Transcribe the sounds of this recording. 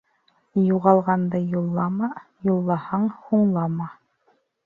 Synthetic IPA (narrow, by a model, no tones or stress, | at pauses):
juʁɑlˠʁɑnd̪ɤjulˠːɑmɑjulˠːɑhɑɴhuɴlˠɑmɑ